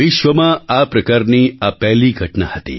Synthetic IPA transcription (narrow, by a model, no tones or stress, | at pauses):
ʋɪʃʋəmãapɾəkaːɾniapɛɦliɡʱəʈnahət̪ḭ